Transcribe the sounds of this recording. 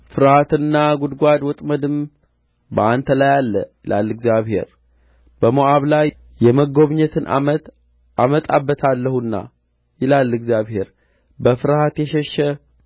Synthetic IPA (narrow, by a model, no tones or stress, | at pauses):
fɨɾhat̪ɨnːaɡud̪ɡʷad̪wɔt̪ʼməd̪ɨm | bəant̪ʰəlajalːəjɪlʔa̰lːɨɡzjaβhe̞̰ɾ | b̥əmoʔaβlaj | jɛməɡo̞βɲɛt̪ʰɨnʔa̰mət̪ | ʔamət̪ʼabːət̪ʰalːəhunːa̰ | jɪlalːɨɡzjaβhe̞ɾ | bəfɨɾhat̪jɛʃɛʃːɛ